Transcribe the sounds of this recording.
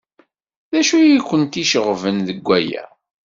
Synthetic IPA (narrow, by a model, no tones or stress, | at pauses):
ðæʃujikʷːənt̪iʃəʁvənðəɡʷːæjæ̰